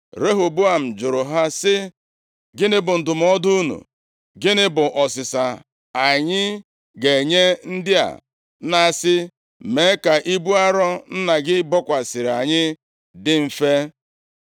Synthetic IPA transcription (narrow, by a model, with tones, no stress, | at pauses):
ɾe˦ɦo˨bu˦a˨m̩˨d͡ʒʊ˨ɾʊ˨ɦa˦sɪ˦ | ɡɪ˦nɪ˦bʊ˨n̩˨dʊ˨m̩˨˦ɔ˦dʊ˦u˦nṵ˨ | ɡɪ˦nɪ˦bʊ˨ʔɔ˨sɪ˨sa˨ | a˨ɲɪ˦ | ɡe˨ɲe˦n̩˦dɪ˦a̰˨˦ | na˨sɪ˦ | me˨˦ka˨ʔi˦bu˦a˦ɾɔ˦n̩˦na˨ɡɪ˦bɔ˦kʷa˨sɪ˨ɾa˨ɲɪ˦ | dɪ˦m̩˨fe˦